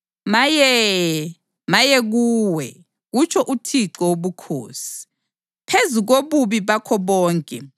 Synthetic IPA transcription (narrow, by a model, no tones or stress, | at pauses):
majɛ | majɛɣuːwɛ̰ | ɣut͡ʃʰɔʔutʰiǀɔwoβukʰo̰ːsi̥ | pʰezuɣoβuβiβakʰɔβɔːŋkʼɛ̰